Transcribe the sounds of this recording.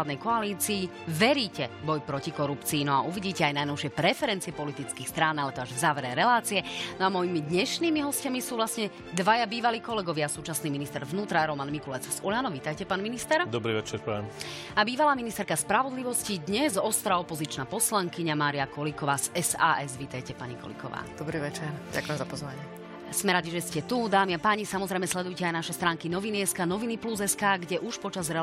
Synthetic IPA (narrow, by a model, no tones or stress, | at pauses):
ad̪nɛjkɔaliːt͡siː | ʋɛɾiːcɛbɔjpɾɔcikɔɾupt͡siːnɔaʔuʋiɟiːcɛajnajnɔʊʃɪɛpɾɛfɛɾɛnt̪t͡siɛpɔlit̪it͡skiːxst̪ɾaːnalɛt̪ɔaʒzaʋɾɛɾɛlaːt͡siɛnɔamɔjimid̪ɲɛʃniːmiɦɔscamisuːʋlasɲɛ | d̪ʋajabiːʋaliːkɔlɛɡɔʋɪasuːt͡ʃasniːminist̪ɛɾʋnuːt̪ɾaɾɔmanmikulɛt͡szuʎanɔʋiːt̪ajcɛpaːnminist̪ɛɾd̪ɔbɾiʋɛt͡ʃɛɾpɔɛm | abiːʋalaːminist̪ɛɾkaspɾaʋɔd̪liʋɔscid̪ɲɛzɔst̪ɾaɔpɔzit͡ʃnapɔslaŋkiɲamaːɾiakɔlikɔʋaːz̥ɛsa̰ːʔɛzʋiːt̪ajcɛpaɲikɔ̰lḭkɔ̰ʋa̰ːd̪̥ɔbɾiːʋɛt͡ʃɛɾɟa̰kʊjɛmzapɔzʋaɲɪɛ | smɛɾaɟiʒɛscɛt̪ud̪aːmiapaːɲisamɔzɾɛjmɛslɛd̪ujcɛajnaʃɛst̪ɾaːŋkinɔʋiniɛskaːnɔʋinipluzɛskaːɡɟɛʔuʃpɔt͡ʃazɾɛ